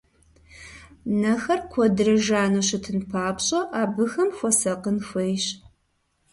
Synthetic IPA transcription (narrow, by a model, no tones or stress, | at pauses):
nɐxɐrkʷʰɔdɨrɐʒaːnoːɕɪtʰɨnpʰaːpɕʼɐʔaːbɨxɐmxʷɔsɐqənxʷejɕ